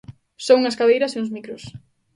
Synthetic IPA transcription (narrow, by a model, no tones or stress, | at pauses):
souŋɐskaðejɾɐseũzmikɾʊs